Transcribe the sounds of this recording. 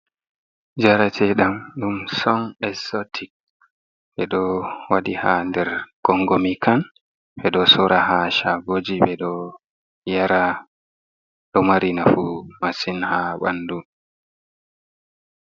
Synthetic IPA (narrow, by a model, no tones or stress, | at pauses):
d͡ʒaɾatʰɛɗamɗumsɔnɛsotʰik̚ | ɓɛɗɔwaɗihandɛɾɡ̥ɔŋɡɔmikʰan | ɓɛɗɔsɔɾahaʃaɡod͡ʒiɓɛɗɔ | jaɾa | ɗɔmaɾinafumasinhaɓa̰ndu